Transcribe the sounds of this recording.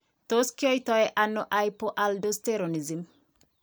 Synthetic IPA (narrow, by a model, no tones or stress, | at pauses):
toskiojtɔjɛʔanːɔʔajpoʔaldost̪eɾonizim